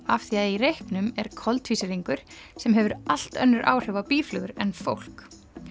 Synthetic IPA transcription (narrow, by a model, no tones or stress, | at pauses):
afθiaðirejhknʏmɛɾ̥kʰɔlt̪viːsɪɾiŋkʏɾ̥sɛmɦɛvʏɾal̥t̪œ̰nːʏɾʔa̰ːwr̥ɛvapiːflʏɣʏɾɛnfowl̥k